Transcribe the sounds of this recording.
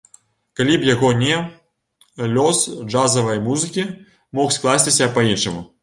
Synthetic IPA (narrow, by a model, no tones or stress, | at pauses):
kalʲipjaɣɔnʲɛ | lʲɔsd͡ʐazɐvɐjmuzɨkʲi | mɔxsklˠasʲt͡sʲisʲɐpɐinʂɨmu